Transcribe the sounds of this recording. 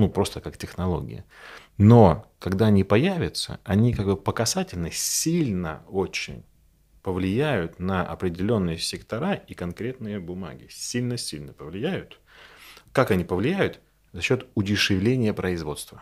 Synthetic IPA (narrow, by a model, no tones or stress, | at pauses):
nupɾo̞st̪əkaktʲɪxnɐlˠo̞̰ɡʲɪ̰jə̰ | no̞kɐɡd̪aɐnʲipɐjævʲɪt̪sə̰ɐnʲikaɡ̚bɨpəkɐsatʲɪlʲnəsʲilʲnə̰o̞t͡ɕːɪ̰nʲ | pəvlʲɪjæjʊt̪nəʔɐ̰pɾʲɪdʲɪlʲo̞nːɨjəsʲɪkt̪ɐɾaikɐnkɾʲe̞t̪nɨjəbʊma̰ɡʲɪ̰sʲilʲnəsʲilʲnəpəvlʲɪjæjʊt̪ | kakɐnʲipəvlʲɪjæjʊt̪ | zɐɕːo̞t̪ʊtʲɪʂɨvlʲenʲɪjəpɾəɪzvo̞t̪st̪və